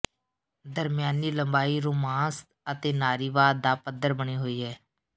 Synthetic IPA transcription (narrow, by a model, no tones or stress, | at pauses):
d̪əɾmjaːniːləmbaːiːɾuːmãːst̪ət̪eːnaːɾiːʋaːd̪ːaːpəd̪əɾbəɳ̃iːɦoːiːɦɛː